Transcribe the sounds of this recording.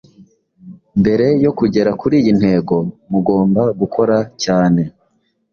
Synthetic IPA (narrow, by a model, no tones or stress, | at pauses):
mbe̞ɾe̞jo̞kuɟe̞ɾakuɾiːjin̥he̞ːɡo̞muɡo̞ːmbaɡukʰo̞ɾacaːne̞